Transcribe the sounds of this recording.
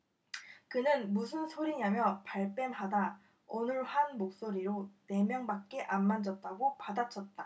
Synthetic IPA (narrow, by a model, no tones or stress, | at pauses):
kɯnɯnmusʰɯnsʰoɾiɲamjʌpaɭp͈e̞nɦada | onɯɭhanmok̚s͈oɾiɾone̞mjʌŋbak̚k͈e̞ʔamːand͡ʑʌt̚t͈aɡopadat͡ɕʰʌt̚t͈a